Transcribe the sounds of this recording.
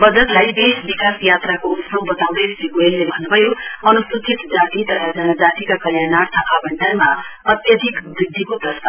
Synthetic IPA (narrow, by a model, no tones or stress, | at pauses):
bʌd͡zʌt̪lajd̪esbikasjat̪ɾakoutɾobʌt̪awɽesiɡoelːebʱʌnubʱʌjoʌnust̪ut̪it̪d͡zat̪it̪ʌɾʰʌd͡zʌnʌd͡zat̪ikakəljanaɾt̪ʰʌʔabəɳɖanmaʌt̪jʌd̪ʱikbɾid̪ʱːikot̪ʌst̪a